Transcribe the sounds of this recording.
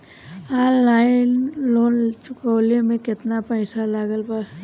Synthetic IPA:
aːlaːɪnloːnt͡ʃʊkəwlemẽkɪt̪napɛːsalaːɡəlba

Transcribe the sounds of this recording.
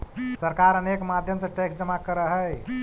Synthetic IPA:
səɾkaɾənekmad̪ʱjəmsẽʈeksd͡ʒəmakəɾəɦəj

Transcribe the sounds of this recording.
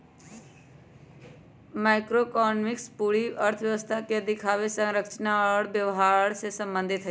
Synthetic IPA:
maɪkɾokɔːnmɪkspuːɽiəɾt̪ʰəʋjəʋəst̪ʰaked̪ɪkʰaʋesə̃ŋɾəkt͡ʃnaɽbjəʋɦaɽsesə̃mbə̃nd̪ʱɪt̪ʰɦə

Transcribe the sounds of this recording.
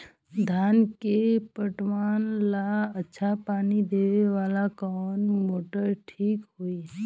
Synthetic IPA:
d̪ʱankepəʈʋanlaətːʃʰapanid̪eʋeʋalakɔnmoʈəɾʈʰikɦoi

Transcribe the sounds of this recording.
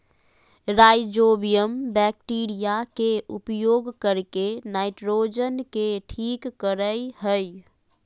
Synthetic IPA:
ɾajd͡ʒobijəmbɛk̚ʈiːɾijakeupjoːɡkəɾkenaɪʈɾod͡ʒənkeʈʰikːəɾəjhəj

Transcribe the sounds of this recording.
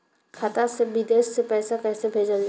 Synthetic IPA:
kʰat̪asebɪd̪eːʃsepɛːsakɛːsebʱeːd͡ʒəld͡ʒa

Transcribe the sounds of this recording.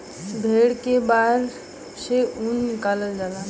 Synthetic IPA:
bʱeɽkebaɾ | seunkaləld͡ʒala

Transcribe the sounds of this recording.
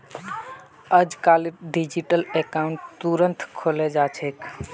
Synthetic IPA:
əd͡ʒkaliɖid͡ʒiʈəlekauɳʈt̪uɾənt̪ʰkʰolɛd͡ʒat͡ʃʰek

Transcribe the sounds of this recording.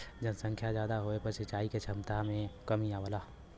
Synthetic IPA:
d͡ʒənsə̃ŋkʰjazjaːd̪aɦoepɐɾʃɪt͡ʃaːiket͡ʃʰɐmt̪amẽkəmiaʋəlaː

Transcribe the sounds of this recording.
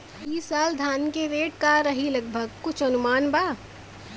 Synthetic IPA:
biːsaːld̪ʱaːnkeɾeːʈ̚kaɾɐɦilɐɡ̚bʱəɡkʊt͡ʃʰɐnʊmaːnbaː

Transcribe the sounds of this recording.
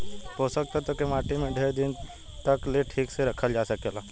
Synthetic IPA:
posək̚t̪at̪okemaːʈimẽɖʱeːɾd̪ɪn | t̪əkleʈʰiːkseɾəkʰəld͡ʒaːsəkeːla

